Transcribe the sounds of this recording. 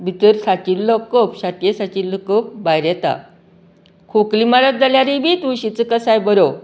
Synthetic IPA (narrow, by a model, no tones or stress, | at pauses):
bʱit̪əɾsat͡ɕillɔkːəpɕat̪jesat͡ɕillːɔkəp̚bajɾjɛt̪a̰ | kʰuklimalət̪̚d͡zaljaɾibʱit̪uɕit͡səkəsajbəɾo